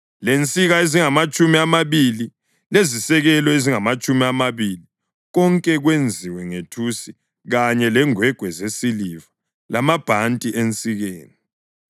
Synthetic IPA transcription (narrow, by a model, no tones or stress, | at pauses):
lent͡sʼiɣaeziŋamat͡ʃʼumiamaβili | lezisɛɣɛlɔeziŋamat͡ʃʼumiamaβili | ɣɔŋkʼɛɣwend͡zʱiwɛŋetʰusi | ɣaɲɛlɛŋwɛɡ̥ʱwɛzesiliva | lamab̥ʱantʼiʔent͡sʼiɣeːni